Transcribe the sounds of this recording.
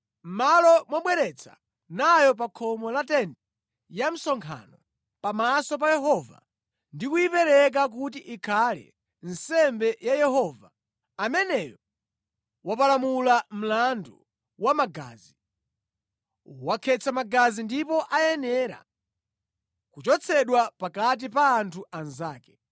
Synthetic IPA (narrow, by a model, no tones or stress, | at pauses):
m̩malɔmwaɓwɛɾɛt͡sʰḁ̰ | najɔp̬akʰɔmɔlatɛndɛ | jam̩sɔŋkʰa̰nɔ | pamasɔp̬ajɛɦɔva̰ | ndikujipɛɾɛk̬ak̬ut̬iʔikʰalɛ̰ | n̩sɛmbɛjajɛhɔva | amɛnɛjɔ | wapalamulam̩landu | wamaɡa̰ːzi | wakʰɛt͡sʰamaɡazindipɔʔajɛnɛɾa̰ | kut͡ʃɔt͡sʰɛɗwapakat̬ipaːntʰuʔanzaːkɛ̥